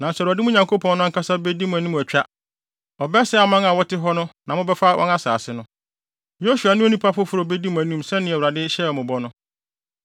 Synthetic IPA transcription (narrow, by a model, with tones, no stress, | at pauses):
nã˨n˨sɛ˨wɾa˨dɪ˦mʊ̃˦ɲã˨ŋkʰo˦pʰɔ̃˨nːʊ̃˦kʰa˦sa˦bɛ˦di˦mʊ̃˨æ˨nĩ˦˨æ˨t͡ɕᶣa˦ | ɔ˨bɛ˦sɛ˦a˨mã˦ŋa˨wɔ˦tɪ˦ɦɔ˦nʊ̃˦nã˨mʊ̃˦bɛ˦fa˦wʔɔ̰˦na˦sa̰ː˨sɪ˦nʊ̃˦ | jo˦su˨a˨nʊ̃˦o˦nĩ˦pʰa˦fʊ˦fʊ˦ɾo˨be˦di˦mʊ̃˨æ˨nĩ˦msɛ̃˦nɪ̃˦ɛ˨wɾa˨dɪ˦ɕɛ˦ɔ˨mʊ̃˨bɔ˦nʊ̃˦